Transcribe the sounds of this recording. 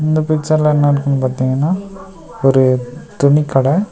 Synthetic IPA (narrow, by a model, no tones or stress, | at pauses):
ɪnd̪ɐpɪɪt͡ʃːɐɾlɐ̃ɛnːɐɾɯkːɯnːɯpaːɾt̪iːŋɡɐnːaː | ɔɾɯt̪ʊɳɪkːɐɽɐ